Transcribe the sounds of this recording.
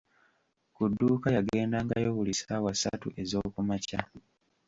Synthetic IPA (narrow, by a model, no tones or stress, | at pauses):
kudːuːkajaɡe̞ːndaŋɡajo̞βulisawasa̰tuʔe̞zo̞ːkumaca